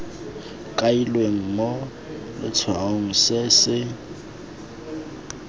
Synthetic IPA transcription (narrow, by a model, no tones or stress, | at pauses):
kʼailweŋ̩mɔ | lɪ̰t͡sʰaoŋ̩sɪsɪ